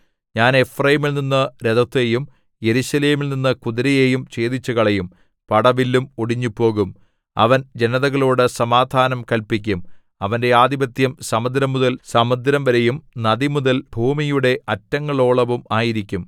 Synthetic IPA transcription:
ɲaːne̞frɐjimilninːɨɾed̪ɐt̪ːejum | je̞ɾuɕɐle̞ːmilninːɨkuðiɾɐjejumt͡ɕe̞ːðit͡ɕːuɣɐɭejum | pɐɽɐʋilːumoɽiɲːupːo̞ːɣum | ɐ̰ʋɐnd͡ʑe̞nɐðɐɣɐɭoːɽɨsɐmaːd̪ʱaːnɐmkɐlpik̬ʲːum | ɐʋɐnde̞aːd̪ibɐt̪jɐmsɐmɐd̪ɾɐmːuðɐlsɐmɐd̪ɾɐmʋɐɾejumnɐðimuðɐlbʱuːmijuɽe̞ʔɐtːɐŋːɐɭo̞ːɭɐʋumaːjiɾikʲːum

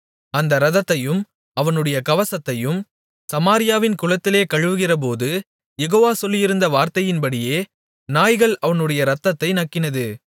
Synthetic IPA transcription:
ɐnd̪ɐɾɐðɐt̪ːɐjɯm | ɐʋɐnɯɽɐjɐkɐʋɐsɐt̪ːɐjɯm | sɐmaːɾɪjaːʋɪnkʊɻɐt̪ːɪleːkɐɻɯʋɯɣɪrɐp̬oːðɯ | jɛɣoːʋaːsɔlːɪjɪɾɯnd̪ɐʋaːɾt̪ɐjɪnpɐɽɪjeː | naːjɣɐɭɐʋɐnɯɽɐjɐɾɐt̪ːɐt̪ːɐɪnɐkːɪnɐðɯ

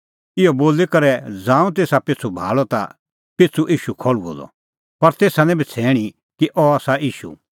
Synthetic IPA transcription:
ɪɔboːlikɐɾɛd͡zãːũt̪̬eːsapɪt͡sʰubʱa̰ːɭɔt̪a̰ | pɪt͡sʰuʔiːʃukʰɔɭuo̰d̪ɔ̰ | pɐɾt̪eːsanɛ̃bʱit͡sʰɛːɽ̃i | kiʔɔaːsaiːʃṵ

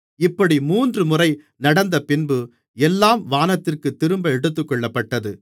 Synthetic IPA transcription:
ɪpːɐɽimuːndrɯmʊrɐɪ | nɐɽɐnd̪ɐpɪnbɯ | ɛlːaːmʋaːnɐt̪ːɪrkɯt̪ːɪɾɯmbɐɛɽɯt̪̬ːɯkːɔɭːɐpːɐʈːɐðɯ

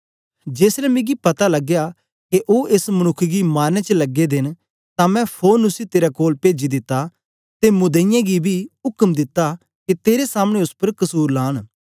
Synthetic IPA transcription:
d͡ʒeːslɛmɪ̃ɡipɐt̪alɐɡja | keʔoʔesmɐñʊkʰːɡimaːnẽt͡ʃəlɐɡed̪ɪn | t̪ãmɛ̃pʰoːɾnʊsit̪eːɾakoːlpeːd͡ʒid̪ɪt̪ːa | t̪emʊd̪əɪjãɡibʱiʊkəmd̪ɪt̪ːa | ket̪eːɾesaːmɽ̃ẽʊspɐɾkɐsuːɾlaːɽ̃

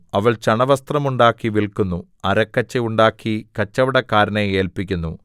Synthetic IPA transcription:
ɐʋɐɭt͡ɕɐɳɐʋɐst̪rɐmuɳɖaːkːiʋiɭkːunːu | ɐɾɐkːɐt͡ɕːɐjuɳɖaːkːikɐt͡ɕːɐʋiɽɐkːaːɾɐneeːlpikʲːunːu

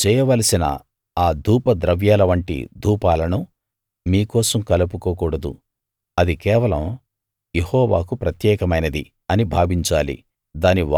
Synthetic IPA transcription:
t͡ʃɛːjɐʋɐlɐsinɐ̰ | aːd̪ʱuːpɐd̪ɾɐʋjaːlɐʋɐɳʈḭd̪ʱuːpaːlɐnu | miːkɔːsɐmkɐlupukoːkuːɽɐd̪ṵ | ɐd̪ikɛːʋɐlɐm | jehɔːʋaːkupɾɐt̪jɛːkɐmɐjnɐd̪i | ɐnibʱaːbiɲt͡ʃaːlḭ | d̪aːniʋ

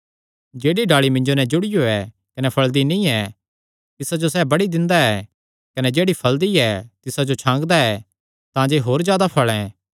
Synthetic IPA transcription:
d͡ʒeːɽiɖaːɭimɪ̃ɲd͡ʒonɛd͡ʒʊɽɪjoɛ | kɐnɛpʰɐɭd̪inĩːɛ | t̪ɪsad͡ʒosɛːbɐɽid̪ɪ̃nd̪aɛː | kɐnɛd͡ʒeːɽipʰɐld̪iɛt̪ɪsad͡ʒot͡ʃʰãːŋɡd̪aɛ | t̪ãd͡ʒeɦoːɾzjaːd̪apʰɐɭɛ̃

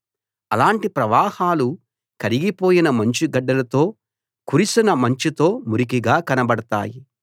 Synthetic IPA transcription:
ɐlaːɳʈipɾɐʋaːhaːlu | kɐɾiɡipo̞ːjinɐmɐɲt͡ʃiɡɐɖːɐlɐt̪o̞ː | kuɾisinɐmɐɲt͡ʃit̪o̞ːmuɾikiɡaːkɐnɐbɐɽɐt̪a̰ːji

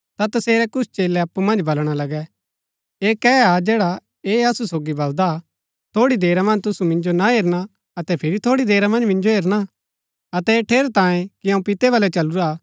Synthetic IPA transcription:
t̪at̪ɐseːɾɛkʊst͡ʃeːlɛɐpːumɐ̃nd͡ʒbɐlɽ̃alɐɡɛ | eːkɛad͡ʒeːɽa | eɐsusoːɡibɐld̪a | t̪ʰoːɽid̪eːɾamɐ̃nd͡ʒt̪ʊsumɪ̃nd͡ʒonaɦeːɾña | ɐt̪ɛpʰɪɾit̪ʰoːɽid̪eːɾamɐ̃nd͡ʒmɪ̃nd͡ʒoɦeːɾɽ̃a | ɐt̪ɛeʈʰeːɾt̪ãːjẽkiɐ̃ũpɪt̪ɛʋɐlɛt͡ʃɐluɾaː

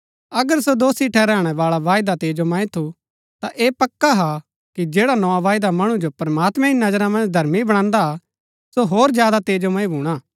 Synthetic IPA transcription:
ɐɡəɾsod̪oːsiʈʰɛɾɛːɽ̃ɛʋaːɭaʋaːɪd̪at̪eːd͡ʒomãːĩt̪ʰu | t̪aʔeːpɐkːaɦa | kid͡ʒeːɽanɔaʋaːjd̪amɐɽ̃ũd͡ʒopɐɾmaːt̪mɛ̃ɪnɐd͡ʒɾãmɐ̃nd͡ʒd̪ʱɐɾmibɐɽ̃ãːnd̪a | soɦoːɾd͡ʒjaːd̪at̪eːd͡ʒomãːĩbʱuːɽ̃aː

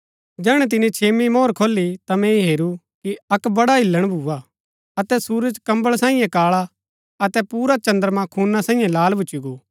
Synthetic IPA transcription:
d͡ʒɛːɽ̃ɛt̪̬ɪnĩt͡ʃʰeːmimoːɾkʰoːlːit̪amɛ̃iɦeːɾu | kiɐkbɐɽaɦɪlːəɽ̃bʱuːa | ɐt̪ɛsuːɾəd͡ʒkɐ̃mbəɭsãːĩjẽkaːɭa | ɐt̪ɛpuːɾat͡ʃɐ̃nd̪əɾmãkʰuːnasãːĩjẽlaːlbʱʊt͡ʃːiɡoː

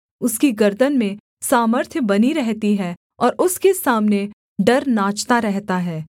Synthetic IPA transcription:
ʊskiɡɐɾd̪ənmẽ | saːməɾt̪ʰjəbɐniɾɛɦt̪iɦɛː | ɔːɾʔʊskesaːmne | ɖɐɾnaːt͡ʃt̪aɾɛɦt̪aɦɛː

